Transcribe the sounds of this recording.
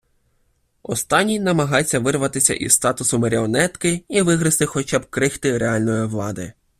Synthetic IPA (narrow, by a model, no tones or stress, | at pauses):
ɔ̰st̪ɑnʲːinɐmɐɦɑt͡sʲːɐʋɪrʋɐt̪ɪsʲɐ̰ʔḭzst̪ɑt̪ʊsʊmɐɾʲiɔnɛt̪kɪiʋɪɦɾɪst̪ɪxɔt͡ʃɑbkɾɪxt̪ɪɾeɑlʲnɔjiʋlˠɑd̪ɪ̰